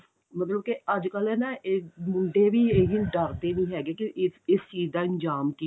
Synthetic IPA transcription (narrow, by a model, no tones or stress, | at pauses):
mət̪ləb̚keəd͡ʒkəlɛːnaʔemʊɳɖeːʋiːeɦiɖəɾt̪eːnĩːɦɛːɡeːkɪʔɪɪst͡ʃiːd͡ʒd̪ãːɪɲd͡ʒaːmki